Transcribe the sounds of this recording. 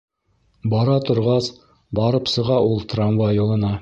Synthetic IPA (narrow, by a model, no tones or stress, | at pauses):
bɑɾɑt̪ŏɾʁɑs | bɑɾɤpsɤ̆ʁɑʔulˠt̪ranvajŏlˠɤ̆nɑ